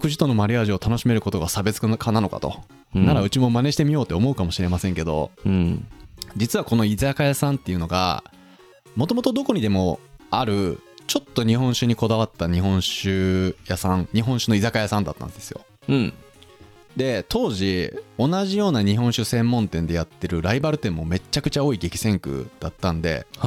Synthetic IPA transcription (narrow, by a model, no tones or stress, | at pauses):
kɯ̟ʑi̥t̪o̞no̞maɾʲiaʑio̞t̪ano̞ɕime̞ɾɯ̟ko̞t̪o̞ɡasabe̞t͡sɨ̥kanano̞ka̰t̪o̞̰ | naɾaɯ̟t͡ɕimo̞mane̞ɕi̥t̪e̞mʲijo̞ːt̪ːe̞omo̞ɯ̟kamo̞ɕiɾe̞masẽ̞ŋke̞d̪o̞̰ | d͡ʑit͡sɨβako̞no̞izakajasãnt̪ːe̞iɯ̟no̞ɡa̰ | mo̞t̪o̞mo̞t̪o̞d̪o̞ko̞ɲ̟id̪e̞mo̞aɾɯ̟t͡ɕo̞t̪ːo̞ɲ̟iɦõ̞ɰ̃ɕɨɲ̟iko̞d̪aβat̪ːaɲ̟iɦõɰ̃ɕɨjasãŋɲ̟iɦõ̞ɕɨno̞izakajasãnd̪at̪ːã̰nd̪e̞sɨ̥jõ̞̰ | d̪e̞t̪o̞ːʑio̞naʑijo̞ːnaɲ̟iɦõ̞ɰ̃ɕɨsẽ̞mːõ̞nt̪ẽnd̪e̞jat̪ːe̞ɾɯ̟ɾaibaɾɯ̟t̪ːẽ̞mːo̞me̞t͡ɕːakɯ̟t͡ɕao̞ːiɡe̞kʲi̥sẽ̞ŋkɯ̟̰d̪̥at̪ːãnd̪e̞̰